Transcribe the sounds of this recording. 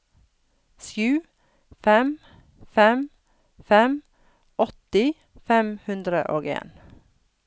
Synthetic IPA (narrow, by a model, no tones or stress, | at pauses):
sjʉː | fɛm | fɛm | fɛm | ɔt̪ɪ | fɛmhʉnd̪ɾəʔoːɡḛːn